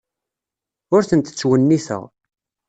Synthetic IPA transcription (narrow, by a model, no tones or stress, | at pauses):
ʊɾθənt̪ə̥t͡sːwənːiθə̰ʁ